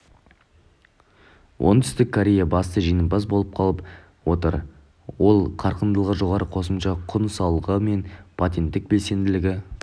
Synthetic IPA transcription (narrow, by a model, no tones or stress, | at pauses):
wʔo̞̰nt̪ʰʏ̥st̪ɪkʰːoɾʲe̞jabɑst̪əʒijnəpɑs̬bo̞lˠəp̚qʰɑlˠəp | wo̞t̪əɾ | wo̞lˠqʰɑɾqənd̪əlˠʁəʒo̞ʁɑɾəqʰo̞səmʃɑqʰʊnsɑwlˠʁəme̞npʰot̪̬ʲe̞nt̪ːɪk̚be̞lse̞nd̪ɪlɪɡʲɪ